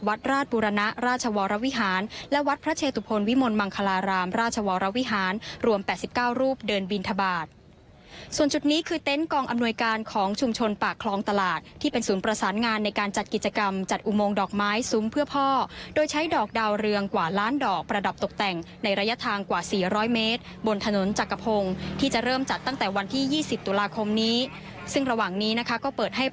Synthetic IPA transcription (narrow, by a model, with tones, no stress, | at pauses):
wa˦˥t̪̚ɾaː˥˩t̪̚buː˧ɾa˧na˦˥ʔɾaː˥˩t̪̚t͡ɕʰa˧wɔː˧ɾa˦˥wi˦˥ɦaː˩˦nlɛ˦˥wa˦˥t̪̚pʰɾa˦˥t͡ɕʰeː˧t̪u˧˩pʰo˧nwi˦˥mo˧nma˧ŋkʰa˧laː˧ɾaː˧mɾaː˥˩t̪̚t͡ɕʰa˧wɔː˧ɾa˦˥wi˦˥ɦaː˩˦nɾu˧əmpɛː˨˩t̪si˨˩p̚kaː˥˩wɾuː˥˩p̚dɤː˧nbi˧nt̪ʰa˧baː˨˩t̪̚ | su˨˩ənt͡ɕu˨˩t̪̚niː˦˥kʰɯː˧t̪e˦˥nkɔː˧ŋʔa˧mnu˧əjkaː˧nkʰɔː˩˦ŋt͡ɕʰu˧mt͡ɕʰo˧npaː˨˩kʰlɔː˧ŋt̪a˧laː˨˩t̪̚ʰːiː˥˩pe˧nsuː˩˦npɾa˧saː˩˦nŋaː˧nːa˧jkaː˧nt͡ɕa˨˩t̪̚ki˨˩t̪̚t͡ɕa˧ka˧mt͡ɕa˨˩t̪̚ʔu˨˩moː˧ŋdɔː˨˩k̚maː˦˥jsu˦˥mpʰɯ˥ɐpʰɔː˥˩doː˧jt͡ɕʰa˦˥jdɔː˨˩k̚daː˧wɾɯ˧əŋkwaː˨˩laː˦˥ndɔː˨˩k̚pɾa˧da˨˩p̚t̪o˨˩k̚t̪ɛ˨˩ŋ | na˧jɾaː˧ja˦˥t̪ʰaː˧ŋkwaː˨˩siː˨˩ɾɔː˦˥jmeː˦˥t̪̚ | bo˧nt̪ʰa˧no˩˦nt͡ɕa˨˩kːa˧pʰo˧ŋt̪ʰiː˥t͡ɕa˨˩ɾɤː˥˩mt͡ɕa˨˩t̪ːa˥˩ŋt̪ɛː˨˩wa˧nt̪ʰiː˥˩jiː˥˩si˨˩p̚t̪u˧laː˧kʰo˧mniː˦˥ | sɯ˥˩ŋɾa˧waː˨˩ŋniː˦˥na˦˥kʰa˦˥kɔː˥˩pɤː˨˩t̪̚ɦa˥˩j